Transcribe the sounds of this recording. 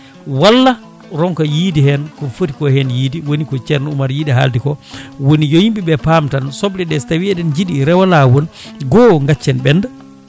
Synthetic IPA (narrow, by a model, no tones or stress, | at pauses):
walːa | ɾɔŋkɔjidihɛnkɔfoti̥kɔhɛnjiːdiwonikɔt͡ʃɛɾnumaɾjiɗɛɦa̰ldikɔwonijɔjimɓiɓɛpamtansɔɓliɗɛstawiɛɗɛnd͡ʒiɗiɾɛwalawɔnɡɔŋɡat͡ʃːɛnɓɛnda